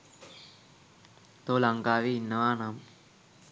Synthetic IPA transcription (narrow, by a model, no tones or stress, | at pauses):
t̪oːlɐŋɡaːʋiinːɐʋaːnaːm